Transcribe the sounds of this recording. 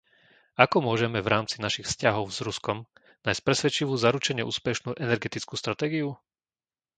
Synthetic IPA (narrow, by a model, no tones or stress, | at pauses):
akɔmʊɔʒɛmɛvɾaːmt͡sinaʃixfscaɦɔʊz̥ɾuskɔm | naːjsc̚pɾɛsʋɛt͡ʃiʋuːzaɾut͡ʃɛɲɛʔṵːspɛʃnuːʔɛnɛɾɡɛt̪it͡skuːst̪ɾat̪ɛːɡiu